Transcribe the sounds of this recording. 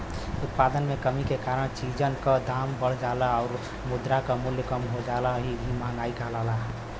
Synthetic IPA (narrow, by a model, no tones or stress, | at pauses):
ʊt̪̚pad̪ənmekəmikekaɾəɽ̃t͡ʃid͡ʒənkəd̪ʱambəɽ̤d͡ʒaːlaɔʊɾ | mʊd̪ɾakamʊljəkəmɦod͡ʒalaɦibʱimãŋɡaːikalala